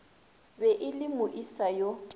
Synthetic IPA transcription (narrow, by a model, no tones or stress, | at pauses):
bɛʔɪlɪmʊʔisajo